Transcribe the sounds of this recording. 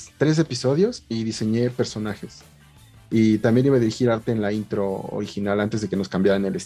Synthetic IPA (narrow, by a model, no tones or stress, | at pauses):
t̪ɾe̞s̬e̞piso̞ðjo̞siðise̞ɲe̞pe̞ɾso̞naxe̞s | it̪ambje̞niβaðiɾixiɾaɾt̪e̞ːnlaint̪ɾo̞o̰ɾixinalant̪e̞zðe̞ke̞no̞skambjaɾaneles